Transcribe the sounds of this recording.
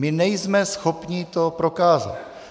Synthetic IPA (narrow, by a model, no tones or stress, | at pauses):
mɪnɛjzmɛsxo̞pɲɪt̪o̞pɾo̞kaːza̰t̪